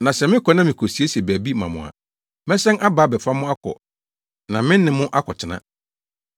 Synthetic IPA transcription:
nã˨sɛ˨mɪ̃˦kʰɔ˨nã˦mɪ̃˨kʰo˨si˨˦e˦si˨e˨bæ˨bi˦mã̰˨mʊ̰̃˨a̰˨ | mɛ̃˦sɛ̃˦na˦baː˨˦bɛ˨fa˦mʊ̃˦a˦kʰɔ̰˨ | nã˨mɪ̃˦nː˦ɪ̃˨mʊ̃˦ʔa˦kʰɔ˨t͡ɕʰɪ˨nã̰˦

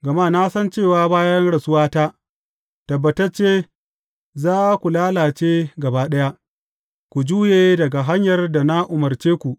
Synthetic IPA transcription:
ɡɐ˨maː˦˨na˦sɐ˦nt͡ʃeː˦˨waː˦baː˦jɐ˦nɽɐ˨sʊ˦waː˦taː˦ | tɐ˨bːɐ˨tɐ˦t͡ʃeː˦ | zaː˦kʷu˨laː˦laː˨t͡ʃeː˦ɡɐ˨baː˦ɗɐ˦ja˦ʔ | kʷu˨d͡ʒuː˦jeː˨dɐ˨ɡa˨ɦa˦ɲjɐ˨rda˨na˦ʔʊ˨mɐ˨rt͡ʃeː˦kʷu˨ʔ

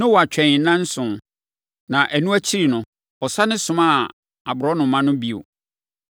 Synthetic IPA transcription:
nʊ̃˦wɔ˨a˨t͡ɕᶣɛ̃˨˦nã˦n̩˦sʊ̃˨ | nã˨ʔæ˨nũ˦æ˦t͡ɕʰi˦ɾi˨nʊ̃˨ | ɔ˨sa˦nɪ̃˦sʊ̃˦ma˦ | a˨bʊ˨ɾɔ˦nʊ̃˨mã˦nʊ̃˦bi˦o̰˨

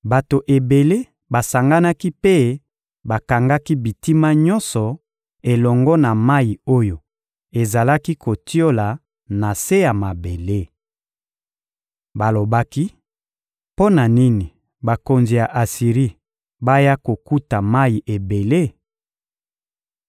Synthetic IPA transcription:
ba˨to˨ʔe˨be˨le˦ | ba˨sa˨ŋɡa˦na˦ki˦pe˦ | ba˨ka˨ŋɡa˦ki˦bi˨ti˦ma˦ɲɔ̃˦nsɔ˨ | e˨lɔ˨ŋɡɔ˦na˨ma˦ji˨o˦jo˨ | e˨za˨la˦ki˦ko˨ti˦o˦la˨ | na˨se˦ja˨ma˨be˨le˦ | ba˨lo˨ba˦ki˦ | po˦na˨ni˦ni˨ | ba˨ko˨nzi˨ja˨ʔa˨si˨ʁi˦ | ba˦ja˦ko˨ku˦ta˨ma˦i˨ʔe˨be˨le˦

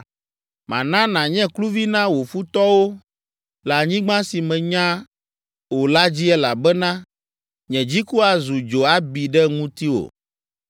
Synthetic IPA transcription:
mã̰˨nã˦nã˨ɲɛ̃˦klu˦vi˦nã˦wo˨fu˦t̪ɔ˦wo˦ | la˨ɲĩ˦ɡ͡bã˦si˨mɛ̃˨ɲã˦ | wo˨la˦d͡ʑi˦ɛ˦la˨bɛ˦nã˦ | ɲɛ̃˨d͡ʑi˦ku˦a˨zu˨d͡ʒo˨a˦bi˨ɖɛ˦ŋũ˦t̪i˦wo̰˨

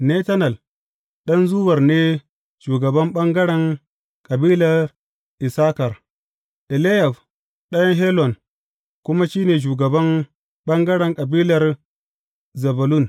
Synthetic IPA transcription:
ne˦ta˦nɐ˨l | ɗɐ˦nzuː˦wɐ˨rneː˦ | ʃuː˨ɡɐ˨bɐ˦mɓɐ˦ŋɡɐ˦ɽɛ˨ŋ | kʼɐ˨biː˦lɐ˨r | ʔɪ˨saː˦kɐ˨r | ɗe˨le˦ja˨f | ɗɐ˦jɐ˦ŋɦe˦lɔ˨n | kʊ˦ma˦ʃiː˦neː˨ʃ̬uː˨ɡɐ˨bɐ˦ŋ | ɓɐ˦ŋɡɐ˦ɽɛ˨ŋkʼɐ˨biː˦lɐ˨r | zɐ˨bɐ˨lu˦˨n

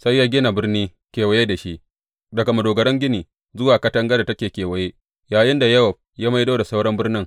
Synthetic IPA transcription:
sa˦jːaː˦ɡʲɪ˦na˨bɪ˦rniː˦ | kʲeː˨wɐ˦je˦da˨ʃi˦ʔ | dɐ˨ɡa˨mɐ˨doː˨ɡɐ˨ɽɐ˦ŋɡʲɪ˦niː˨ | zʊ˦waː˨kɐ˦tɐ˦ŋɡɐ˦da˨tɐ˦kʲeː˨kʲeː˨wɐ˦jeː˦ | jaː˨jɪ˦nda˨jɐ˦wɐ˨ɸ̚jaː˦ma˦jdoː˦da˨sa˦wɽɐ˦mbɪ˦rnɪ˦ŋ

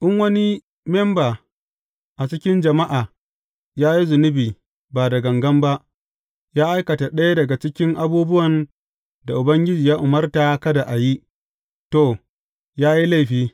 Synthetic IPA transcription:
ʔɪ˦ŋwɐ˦ni˦ | mɛ˦mbaː˨ | ʔa˨t͡ʃɪ˦kʲɪ˦nd͡ʒɐ˨ma˦ʔaː˨ | jaː˦ji˦zʊ˨nʊ˦biː˨ | baː˨da˨ɡɐ˨ŋɡɐ˦mba˦ʔ | jaː˦ʔa˦jkɐ˨ta˨ɗɐ˦ja˦dɐ˨ɡa˨t͡ʃɪ˦kʲɪ˦ŋʔa˦buː˦bʊ˦wɐ˨n | da˨ʔʊ˨bɐ˦ŋɡʲɪ˦d͡ʒiː˨jaː˦ʔʊ˨mɐ˦rta˨kɐ˦da˨ʔa˨ji˦ | to˦˨ | jaː˦ji˦la˦˨ɸiː˦

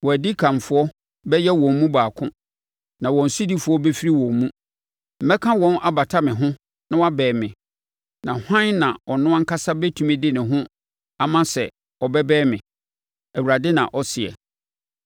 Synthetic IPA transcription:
wɔ˨æ˨di˦kʰã˨mfʊ˦ɔ˦ | bɛ˦jɛ˦wɔ̃˨m˦mũ˦baː˨kʰʊ̰̃˦ | nã˨wɔ̃˨n̩˨su˦di˦fʊ˨˦ɔ˦bɛ˦fi˦ɾi˦wɔ̃˨mmũ˦ | m̩˨mɛ˦kʰã˦wɔ̃˦nʔa˦ba˨tʰa˦mɪ̃˨ɦʊ̃˦ | nã˦wa˦bɛː˨mɪ̃˨ | nã˨hã˦nã˨ɔ˨nʊ̃˦ã˦ŋ̩˦kʰa˦sa˦bɛ˦tʰũ˨mɪ̃˦dɪ˦nɪ̃˨ɦʊ̃˦ | a˨mã˦sɛ̰˨ | ɔ˨bɛ˦bɛː˦mɪ̃˨ | æ˨wu˨ɾa˨dɪ˦nã̰˨ʔɔ˦sɪ˨ɛ̰˨

